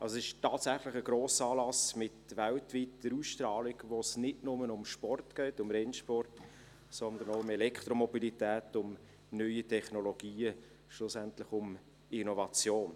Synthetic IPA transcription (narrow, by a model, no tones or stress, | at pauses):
ʔɑlsoɪʃtɑːtsæχlɪχəɡ̥ɾoːsɑːlɑsmɪtʋæltʋit̚d̪̥əɾuːsʃtɾɑːliɡʋosnɪdnʊmənʊmʃpɔrtɡ̥ɛɪtʊmɾɛnʃpɔrt | sɔnd̪ənoʊʊmɛlɛkʰt̪ɾomɔbilitɛːtʊm | nœʏitʰɛχnoloɡ̥iːə | ʃlʊsɛntlɪχʊm | ɪnovɑt͡sjoːn